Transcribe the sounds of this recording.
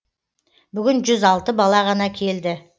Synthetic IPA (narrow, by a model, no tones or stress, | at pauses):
bʏɡʲɪnʒʏzɑlˠt̪əbɑlˠɑʁɑnɑkʲʰe̞ld̪ɪ